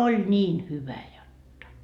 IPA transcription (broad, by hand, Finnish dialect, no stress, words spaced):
olʲ niːn hyʋæ jotːɑ